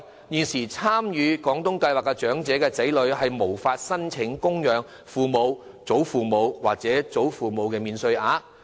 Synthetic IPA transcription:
jyː˨nsiː˨˩t͡sʰaː˥mjyː˨˧kɔː˨˥ŋt̪ʊ˥ŋkɐ˧jwaː˨˩kːɛ˧t͡ʃœː˨˥ŋt͡sɛː˨˥kɛː˧t͡sɐ˨˥jlɵ˨˧ɥhɐ˨jmo˨˩wfaː˧t̚sɐ˥nt͡sʰɪ˨˥ŋkʊ˥ŋjœː˨˧ŋ | fuː˨mo˨˧w | t͡so˨˥wfuː˨mo˨˧wwaː˨k̚t͡sɛː˨˥t͡so˨˥wfuː˨mo˨˧wkɛː˧miː˨˧nsɵ˧ɥaː˨˥

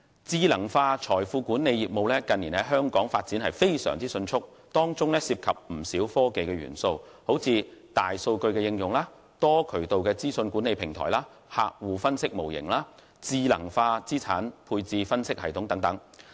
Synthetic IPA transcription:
t͡siː˧lɐ˨˩ŋfaː˧t͡ʃʰɔː˨˩jfuː˧kuː˨˥nːe˨˧jjiː˨˩p̚mo˨˧wlɛː˥kɐ˨nːiː˨˩nɛ˥ɦœː˥ŋkɔː˨˥ŋfaː˧t̚t͡si˨˥nhɐ˨˩jfe˥jsœ̰ː˨˩ŋt͡siː˥sɵ˧nt͡sʰʊ˥k̚ | t̪ɔː˥ŋt͡sʊ˥ŋnɛː˥siː˧p̚kʰɐ˨p̚m̩˨˩siː˨˥wfɔː˥ke˨jkɛː˧ɥy̰ː˨˩nso˧w | ho˨˥wt͡sʰiː˧t̪aː˨jso˧wkɵ˧ɥkɛː˧jɪ˧ŋjʊ˨˩ŋlaː˥ | t̪ɔː˥kʰɵ˨˩ɥt̪o˨wkɛː˧t͡siː˥sɵ˧nkʷuː˨˥ne˨˧jpʰɪ˨˩ŋt̪ʰɔ̰ː˨˩jlaː˥ | ha̰ː˧k̚wuː˨fɐ˥nsɪ˥k̚mo˨˩wjɪ̰˨˩ŋlaː˥ | t͡siː˧lɐ̰˨˩ŋfaː˧t͡siː˥t͡sʰa̰ː˨˥npʰuː˧jt͡siː˧fɐ˥nsɪ˥k̚hɐ˨jt̪ʰʊ˨˥ŋt̪ɐ˨˥ŋt̪ɐ˨˥ŋ

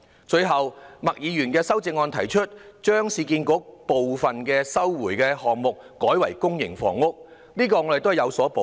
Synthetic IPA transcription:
t͡ʃɵ˧jɦɐ˨wmɐ˨k̚jiː˨˧jyː˨˩nkɛː˧sɐ˥wt͡sɪ˧ŋːɔː˧nt̪ʰɐ˨˩jt͡ʃʰɵ˥t̚t͡ʃœː˥ŋsiː˧kiː˧nkʊ˨˥k̚po˨wfɐ˨nkɛː˧sɐ˥wwuː˨˩jkɛː˧hɔː˨ŋmʊ˨k̚ːɔː˨˥jwɐ˨˩jkʊ˥ŋjɪ̰˨˩ŋfɔ̰ː˨˩ŋʊ˥k̚ | niː˥kɔː˧ŋɔ˨˧˥de˨t̪o˥hjɐ˨˧wsɔː˨˥po˨˧

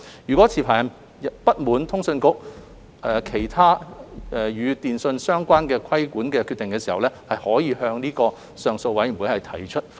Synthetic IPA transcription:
jyː˨˩kʷwɔː˨˥t͡sʰiː˨˩pʰaː˨˩jɐ˨˩n | ɐ˨pɐ˥t̚muː˨˧nt̪ʰʊ˥ŋsɵ˧nkʊ˥k̚ | ʔɛː˨˧kʰe˨˩jt̪ʰaː˥ɛ˨˧jyː˨˧t̪iː˨nsɵ˧nsœː˥ŋkʷaː˥nkɛː˧kʰɐ˥jkuː˨˥nkɛː˧kʰy˧t̪ɪ˨ŋkɛː˧si˨hɐ˨wlɛː˥hɐ˨jhɔː˨˥jiː˧hœː˧ŋniː˥kɔː˧ | sœː˨ŋso˧wɐ˨˥jm̩˨˩wuː˨˥jhɐ˨jt̪ʰɐ˨˩jt͡ʃʰɵ˥t̚

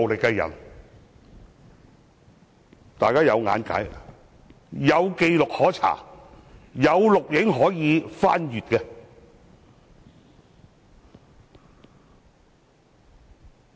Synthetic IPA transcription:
wlɪ˨kːɛ˧jɐ̰˨˩n | t̪aː˨jkaː˥jɐ˨˧wŋa̰ː˨˥nka̰ː˨˥j | jɐ˨˧wke˧jlʊ˨k̚hɔː˨˥t͡sʰa̰ː˨˩ | jɐ˨˧wlʊ˨k̚jɪ˨˥ŋɦɔː˨˥jiː˨˧faː˥njyː˨t̚kɛː˧

